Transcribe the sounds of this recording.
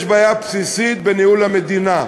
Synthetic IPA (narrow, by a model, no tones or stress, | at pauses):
ʃbajapsisit̪̚beniulhamed̪ina